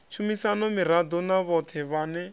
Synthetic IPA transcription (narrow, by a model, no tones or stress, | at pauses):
t͡ʃʰumisanɔmiɾad̪ɔnaβɔt̪ʰɛβanɛ